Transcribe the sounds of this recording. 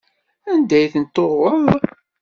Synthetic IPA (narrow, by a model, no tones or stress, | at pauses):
ænd̪æjθənt̪ːorˤəðˤ